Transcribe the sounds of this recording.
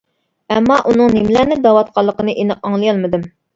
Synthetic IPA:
ɛmːɑʔunɨŋnemlænɪd̪ɑwɑt̪̚qʰɑlˠːəqənɨʔenɨqɑŋlˠɨjɑlˠmɨd̪ɨm

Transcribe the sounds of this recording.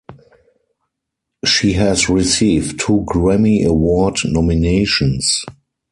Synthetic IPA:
ʃiːɦɛsɹisiːvtʰːuːɡɹɛmiʔəwɔdnɔmineɪʃɔ̃ns

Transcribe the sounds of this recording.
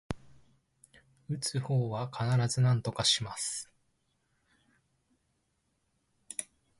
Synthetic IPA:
ɯ̟t͡sɨho̞ːβakʰanaɾazɨnãnt̪o̞kaɕimasɨ̥

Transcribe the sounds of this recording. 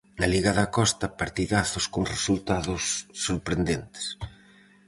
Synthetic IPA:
nɐliɣaðɐkɔst̪ɐpaɾt̪iðaθʊskoŋresult̪aðʊsːoɾpɾend̪ent̪ɪ̥s

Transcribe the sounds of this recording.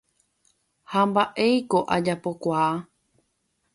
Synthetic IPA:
hambaʔe̞jko̞ʔad͡ʒapo̞kʷaː

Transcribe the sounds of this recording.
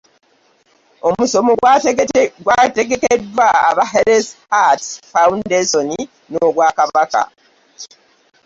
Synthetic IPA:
o̞muso̞moɡ | ɡwateɡe̞kedːwa̰ːβaɦeɾeshatfawundesoni | noɡwaːkaβaka̰

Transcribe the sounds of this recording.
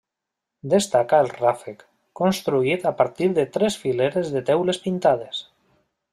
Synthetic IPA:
d̪est̪akaelˠrafek | kːonst̪ɾuit̪apaɾt̪iɾðet̪ɾesfileɾezðet̪ɛwlespint̪að̞es

